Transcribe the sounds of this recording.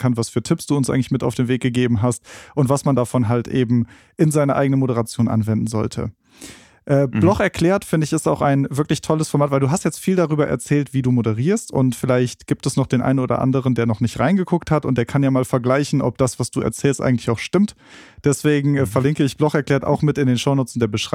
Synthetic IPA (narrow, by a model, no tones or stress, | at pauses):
kʰanvasfyːɐtʰɪpsd̥uːʊnsʔaɪɡŋ̩lɪçmɪta̰ʊfd̥eːmveːk̚ɡ̥əɡeːbm̩ɦast̚ʔʊntv̥asmandafɔnɦaltʔḛːbm̩ | ʔɪnzaɪnɐʔa̰ɪɡənənmoɾəʁat͡sjoːnʔa̰nvɛndn̩zɔ̰ltʰə̰ | ʔɛːb̥lɔχɛɐkʰl̥ɛːɐtfɪndəɪçɪstaʊxaɪnvɪɐklɪçtʰɔləsfɔɐmaːtv̥aɪlduːɦastjɛt͡stfiːldaʁyːbɐʔɛ̰ɐt͡sɛːltv̥iːduːmodəʁiːɐstʊ̰ntfɪlaɪçtɡ̥iːp̚tɛsnɔχd̥eːnʔa̰ɪnənoːdɐ̰ʔa̰ndəʁ̞əndeːɐnɔχnɪçtʁa̰ɪnɡəɡʊkthatʊ̰nt̚d̥eːɐkʰanjaːmaːlfɛɐɡlaɪçn̩ʔɔ̰p̚d̥asv̥asd̥uːɛ̰ɐt͡sɛːlstʔa̰ɪŋ̩tlɪçaʊxʃtɪmt | d̥ɛsv̥eːɡŋ̩ɛfɛɐlɪŋkəɪçb̥lɔxɛɐklɛːɐta̰ʊxmɪtɪndeːnʃoʊnoːt͡snd̥eːɐbəʃʁ̥a